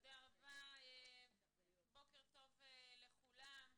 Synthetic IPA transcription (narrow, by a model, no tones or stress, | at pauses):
d̪eaʁavae | bo̞keʁt̪o̞veleχulam